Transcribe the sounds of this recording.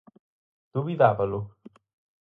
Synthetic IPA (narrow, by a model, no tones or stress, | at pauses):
d̪̥uvid̪aːvalu